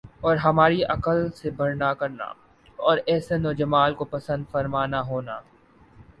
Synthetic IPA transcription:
ɔːɾɦɐmaːɾiʔɐkəlsebʱɐɾnakɐɾna̰ | ɔːɾɛːsenɔːd͡ʒɐmaːlkopɐsə̃nd̪fɐɾmaːnaɦoːnaː

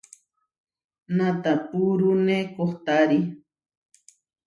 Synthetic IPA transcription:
nat̪apuɾunekoχt̪aɾi

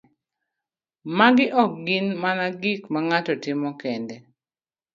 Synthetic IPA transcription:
maɡɪʔɔk̚ɡinmanaɡikmaŋatɔtɪmɔkɛndɛ

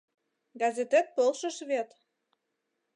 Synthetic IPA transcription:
ɡɑzet̪et̪̚pɤlʃə̆ʃβet̪

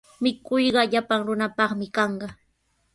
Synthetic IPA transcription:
mɪkʊjɢɑʎapaŋɾʊnapɑχmɪkɑɴɢɑ

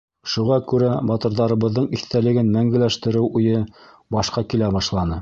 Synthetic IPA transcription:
ʃuʁɑkʉɾæbɑt̪ɤ̆ɾðɑɾɤ̆βɤ̆ðːɤɴiθt̪ælɘ̆ɡɘnmæŋɡɘ̆læʃt̪ɘ̆ɾɘwujɤ | bɑʃqɑkilæbɑʃlˠɑnɤ

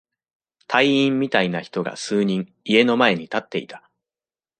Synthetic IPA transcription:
t̪ʰaiĩmːʲit̪ainaçi̥t̪o̞ɡa̰sɨːɲ̟ĩŋ | ie̞no̞mae̞ɲ̟it̪at̪ːe̞ḭt̪ḁ

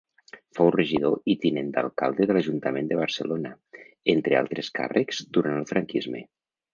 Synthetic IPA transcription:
fowrəʒiðoit̪inend̪a̰lˠkalˠd̪eðəlaʒunt̪əmend̪əβ̞əɾsəlona | ent̪ɾea̰lˠt̪ɾeska̰rʔəkz̥d̪uɾanəlˠfɾaŋkizmḛ

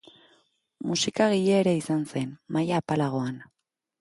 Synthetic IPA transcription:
musikaɣiʎeːɾeisanse̞nmajaːpalaɣ̞o̞an

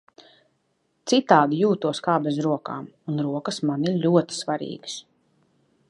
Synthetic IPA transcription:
t̪sit̪aːd̪ijuːt̪uɔskaːbɛzɾuɔka̰ːm | unɾuɔkɐsmaniɾlʲuɔt̪i̥svaɾḭːɡs

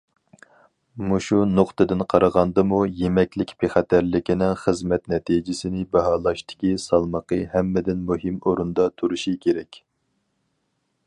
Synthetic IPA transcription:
muʃunoqt̪ɨd̪ɪnqʰɑɾəʁɑnd̪ɨmujemɛkʲlɪkʲpeχæt̪ʰæɾlɪkʲinɪŋχəzmɛt̪nɛt̪ʰid͡ʒɪsɪnɪbɛɦɑːlˠɑʃt̪ɪ̥kʲisɑlˠməqʰəhɛmːɪd̪ɪnmuɦɪmoɾund̪ɑt̪ʰuɾuʃikʲʰeɾɛkʲ

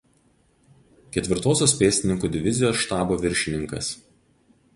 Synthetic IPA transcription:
kʲɛt̪ʲʋʲɪɾt̪oːsʲoːspʲeːsʲt̪ʲɪnʲɪŋkuːd̪ʲɪʋʲɪzʲɪjoːsʃt̪ɑːboːʋʲɪɾʲʃʲɪnʲɪŋkɐ̰s

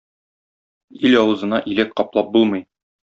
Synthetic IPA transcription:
ilɒwɤ̆zɤ̆nɑʔilæk̚qɒplˠɑp̚bulˠmɤ̆j

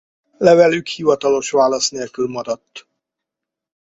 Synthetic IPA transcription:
lɛvɛlykhivɒt̪ɒlo̞ʃʋaːlɒsneːlkylmɒɾɒt̪ː

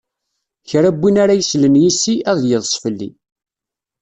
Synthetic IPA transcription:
çɾæbːinaɾajəslənjisiæðˤjəðˤsˤfəlːḭ

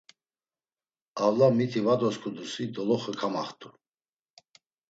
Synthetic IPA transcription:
avlamit̪ʰivad̪ɔskʰud̪usid̪ɔlɔχəkʰama̰χt̪ʰʼu

